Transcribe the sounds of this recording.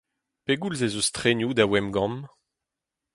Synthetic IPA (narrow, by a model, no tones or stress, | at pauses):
peɡulzezust̪χenjud̪awɛmɡɑ̃m